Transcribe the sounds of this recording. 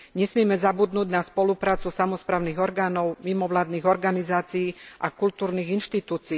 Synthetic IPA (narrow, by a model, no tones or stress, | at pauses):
ɲɛsmɪɛmɛzabud̪nuːɟnaspɔlupɾaːt͡susamɔspɾaːʊniɣɔɾɡaːnɔʊmimɔʋlaːd̪niːɣɔɾɡanizaːt͡siiːʔakult̪uːɾniːɣinʃt̪it̪uːt͡si